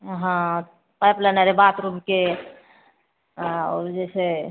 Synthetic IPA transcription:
ɦã | pajplanaɾebat̪ɾubke | oɾd͡ʒɛse

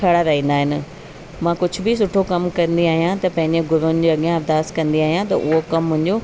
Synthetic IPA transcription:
ɐɽaɾɐɦĩːnd̪aːɦɪnɪ̆ | mãːkʊd͡ʑʱʊ̆bɪs̬ʊʈʰokɐmkɐ̃nd̪iaːɦijãt̪ɐpɐ̃ɦɪ̃ɲd͡ʑeɡʊɾʊnɪd͡ʑiɐɠjãɐbd̪aːskɐ̃nd̪iaːɦijãt̪ɐ̰ʔʊɦokɐmːʊ̃ɦɪ̃ɲd͡ʑo

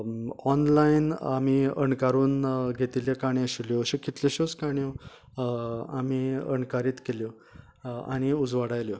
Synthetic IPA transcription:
ɔnlainamiəɳkaɾuːnɡʱet̪iljakaɳ̃iəɕiljɔɕekit̪leɕoskaɳijõ | amiəɳkaɾiːt̪keljɔ | a̰ɽ̃iud͡zʋaɽajljɔ

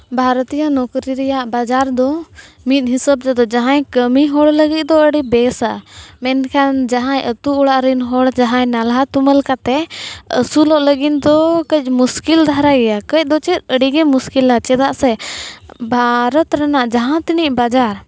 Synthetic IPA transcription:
bʱaɾt̪ijanɔkɾiɾɛjaʔbad͡ʒaɾd̪ɔ | mit̪̚ˀɦisəb̚d͡ʒ̪ɛd̪ɔd͡ʒaɦãjkəmiɦɔɽləɡit̪̚d̪ɔəɽibɛsamɛnkʰand͡ʒaɦãjət̪uɔɽaʔɾinɦɔɽd͡ʒaɦãjnalɦat̪uməlkat̪ɛə̰sulɔʔləɡind̪ɔkəc̚ˀmuskild̪ʱaɾaɡɛjakəc̚ˀd̪ɔt͡ʃit̪̚əɖiɡɛmuskilat͡ʃɛd̪aʔsɛ | bʱaɾɔt̪ɾanaʔd͡ʒaɦãt̪iniʔ̚bad͡ʒaɾ

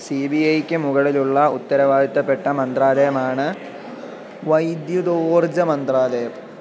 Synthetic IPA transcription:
siːbiɐjkʲːɨmuɣɐɭiluɭːɐut̪ːɐɾɐʋaːd̪ʱit̪ːɐpːe̞ʈːɐmɐnd̪raːd̪ɐjɐmaːɳɨ | ʋɐjd̪jud̪oːrd͡ʑɐmɐnd̪raːd̪ɐjɐm

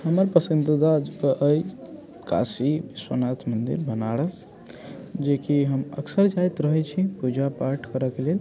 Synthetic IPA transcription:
həməɾpəsint̪əd̪ad͡ʒkəʔəj | ka̰sibiswənat̪mənd̪ḭɾbʱənaɽəs | d͡ʒekiɦəmə̰ksəɾd͡ʒajt̪ɾəɦɛt͡ʃʰipud͡ʒapaɾʈʰkəɾəkelel

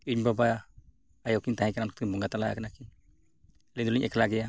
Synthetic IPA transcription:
iɲbabaja | ajɔwkiɲt̪aɦãkanankʰt̪̚kiɲbɔŋɡat̪alaja̰kanakiɲ | lɛnd̪uliɲʔɛkʰlaɡɛja

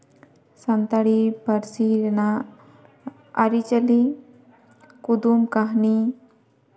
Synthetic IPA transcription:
sant̪aɽipəɾsiɾna | aɾit͡ʃəli | kud̪umkaɦni

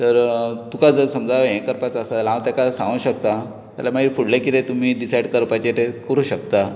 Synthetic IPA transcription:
t̪əɾt̪ukad͡zəɾsəmd͡zʱaʋɦẽkəɾpat͡səsalãwt̪akasãŋɡũɕək̚t̪a | t̪a̰lamaɡifuɽlakit̪et̪um̤iːɖisajɽkəɾpajt͡ɕet̪ekəɾũːɕəkt̪a

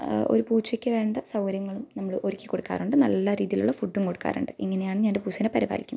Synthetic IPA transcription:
o̰ɾupuːt͡ɕːɐkʲːɨʋe̞ːɳɖɐsɐwɐɾjɐŋːɐɭumnɐmːɐɭɨʔo̞ɾikʲːikːo̞ɽukːa̰ːɾuɳɖɨnɐlːɐɾiːðijilṵɭːɐfuɖːumko̞ɽukːa̰ːrṵɳɖɨʔiŋːɐne̞jaːɳɨɲaːndepuːt͡ɕːɐnepɐɾiba̰ːlikʲːunː

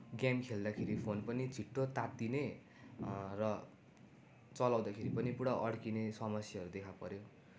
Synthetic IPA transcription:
ɡjamkʰeld̪akʰeɾipʰonpʌnit͡sʰiʈːot̪at̪ine | rʌ | t͡sʌlawd̪akʰeɾipʌnipuɽaʔʌɽkinesʌmʌsjʌʌɾud̪ekʰapʌɾjo

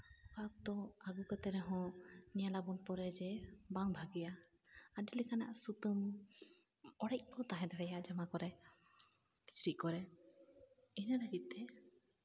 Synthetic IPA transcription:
kak̚t̪ɔaɡukat̪ɛɾɛɦɔ̃nijalabɔnpɔɾɛd͡ʒɛbaŋbʱaɡija | adilɛkana̰ʔsut̪əm | ɔɽɛjc̚ˀkɔt̪aɦɛ̃d̪aɽɛjaʔd͡ʒamakɔɾɛ | i̥t͡ʃɾiʔ̚kɔɾɛ | inaɾəɡit̪̚t̪ɛ

